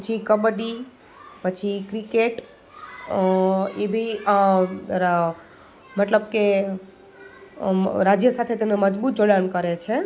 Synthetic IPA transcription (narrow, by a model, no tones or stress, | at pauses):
pət͡ʃʰikəbəɖi | pət͡ʃʰikɾikeʈ | ebʱi | ɾa | mət̪ləbke | ɾad͡ʒjəsat̪ʰet̪eneməd͡ʒbut̪̚d͡ʒoɽankəɾet͡ʃʰe